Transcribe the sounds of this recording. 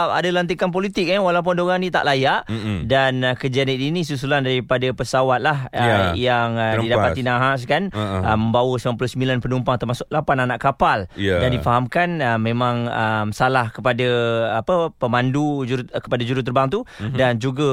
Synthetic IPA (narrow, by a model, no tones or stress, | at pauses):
a̰dalant̪̬ikanp̬olit̪ɪk̚nawalawp̬ʊndoɣaŋnĩt̪a̰ʔlajaʔdankəd͡ʒianit̪inĩs̬us̬ulandaɾipadapəsawat̪̚lahəjaŋdidappainaɦas̬kanəmə̃mbawəsəmamp̬ulusəmbilanpənumpaŋt̪ərmasʊk̚lapananaʔkapaldandifaɦamkanəmẽmãŋəmsalahkəpadaapəpəmandud͡ʒuɾukə̥padad͡ʒuɾut̪̬ərbaŋt̪udand͡ʒuɡə